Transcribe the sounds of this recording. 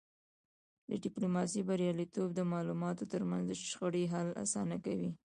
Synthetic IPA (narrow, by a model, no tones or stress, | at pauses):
d̪əɖɪplomɑsibaɾjɑlit̪obd̪əmɑlumɑt̪ot̪əɾmanzd̪əʃxəɽiɦala̰sɑnakawi